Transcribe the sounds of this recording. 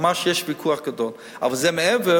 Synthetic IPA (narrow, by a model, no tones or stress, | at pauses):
maʃjɛʃviːkʰuːaχɡədɔn | ɔ̰vəzɛməɛvə